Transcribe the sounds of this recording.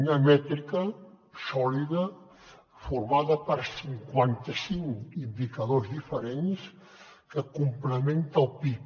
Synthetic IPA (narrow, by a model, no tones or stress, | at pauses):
unəmɛt̪ɾikə | sɔliðə | fuɾmaðəpəɾsiŋkwant̪əsiŋkind̪ikəð̞ozðifəɾens | kəkumpləment̪əlˠpi